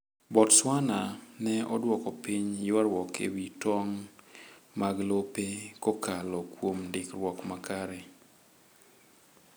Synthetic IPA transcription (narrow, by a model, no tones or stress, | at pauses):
bɔtswananɛɔdwɔkɔpiɲjwaɾwɔkḛwitɔŋ | maɡlopekokalɔkwomdɪkɾwɔkmakaɾɛ